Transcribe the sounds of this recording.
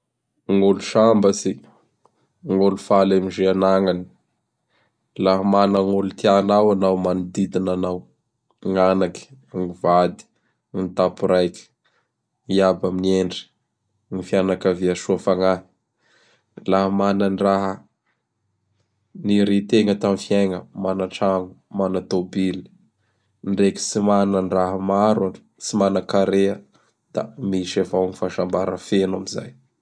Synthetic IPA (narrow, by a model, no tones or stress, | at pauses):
ŋoluʃambəsi | ŋolufalamiʒeanaŋani̥ | laɦamanəŋulut̪ianawanawmanid̪id̪inanaw | ŋanaki̥ | ŋivad̪i̥ | int̪apuɾajkʲi̥ | iabaminieɳɖ͡ʐi̥ | nifianakəviaʃuafaŋai̥ | laɦəmanəniraɦə | niɾet̪eŋət̪amifiajŋəmanaʈ͡ʂaŋumanat̪obili̥ | nɖ͡ʐeki̥simanəniraɦəmaɾḁ | t͡simanakaɾeə | d̪̥amiʃavawnifaʃambaɾə̰fenamiza̰j